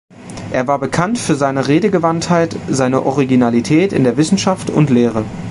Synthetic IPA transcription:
ʔeːɐvaːɐbəkʰantfyːɐzaɪnəʁeːdəɡəvanthaɪtz̥aɪnəʔɔʁ̞iɡinalitʰɛːtɪ̰ndeːɐvɪsn̩ʃaftʊ̰ntleːʁ̞ə

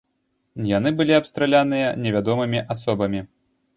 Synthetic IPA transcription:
jan̪ɨbɨlʲiapst̪ɾalʲanɨjɐnʲɛvʲad̪ɔmɨmʲiʔasɔbɐmʲi

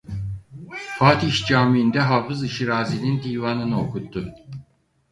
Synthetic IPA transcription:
fʰaːt̪iʃd͡ʒaːmiːnd̪ɛɦaːfɯzɯʃiɾaːzinind̪ijvanɯnɯo̞kut̪ʰːu

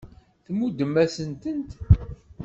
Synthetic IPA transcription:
θmud̪əmːæsənt̪ənt̪

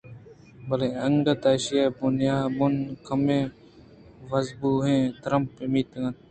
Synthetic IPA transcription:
bɐleɐŋɡɐt̪aːɕijabunjaːmunkɐmẽ | ʋɐzbuɦẽːt̪ɾɐmpːemit̪ɐŋɐt̪̚

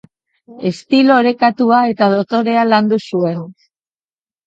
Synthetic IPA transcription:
e̞st̪ilo̞ɾe̞kat̪uae̞t̪að̞ot̪o̞ɾe̞aland̪usue̞n

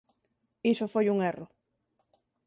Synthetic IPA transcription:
isofojuŋero

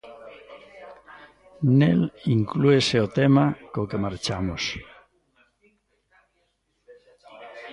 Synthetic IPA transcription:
neliŋklueseot̪emakokemaɾt͡ʃamos

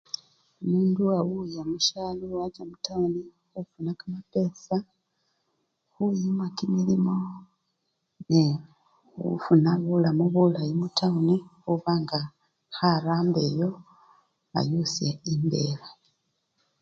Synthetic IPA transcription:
omuːnduawujamuʃalowaɟamutawni | xufunakamape̞ːsa | xujimakimilimo | ne | ṵfunaβulamuβulajimutʰawunixuβaŋɡa | xaɾaːmbe̞ːjo̞ | a̰jusjeimbe̞ːβa

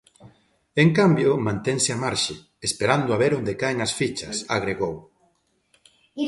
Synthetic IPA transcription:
eŋkambjomãnt̪ɛŋsɪamaɾʃɪ | espeɾand̪ʊaβeɾond̪ekaeŋɐsfit͡ʃɐsaɣɾeɣow

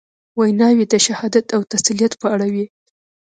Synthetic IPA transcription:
wajnɑwid̪əʃahɑd̪at̪awt̪asilijat̪pəaɽawi

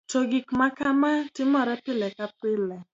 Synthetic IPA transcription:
t͡ʃoɡikmakamatɪmɔɾɛpɪlɛkapɪlɛ

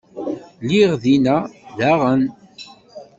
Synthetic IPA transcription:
liʁðinæðæʁən

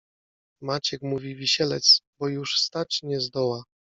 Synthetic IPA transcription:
mat͡ɕɛkmuvʲivʲiɕɛlɛt̪sbɔjuʂst̪at͡ɕɲɛzd̪ɔwa

